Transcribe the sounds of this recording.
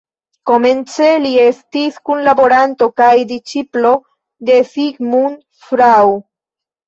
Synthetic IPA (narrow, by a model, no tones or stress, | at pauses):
ko̞me̞nt͡se̞lie̞stiskunlabo̞ɾanto̞kajdit͡ʃiplo̞ | de̞fiɡmun | fɾaw